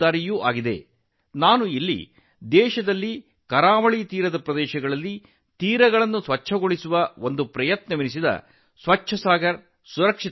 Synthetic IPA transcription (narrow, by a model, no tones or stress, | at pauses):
aːɾijuʔaːɡid̪e̞̰ | naːnuilːḭ | d̪ɛːʃɐd̪ɐlːi | kɐɾaːʋɐɭit̪iːɾɐd̪ɐpɾɐd̪ɛːʃɐɡɐɭɐlːi | t̪iːɾɐɡɐɭɐnːusʋɐt͡ʃʃʰɐɡoɭisuʋɐo̞nd̪upɾɐjɐt̪nɐminisid̪ɐ̰ | sʋɐt͡ʃʰːɐsaːɡɐɾ | suɾɐkʂi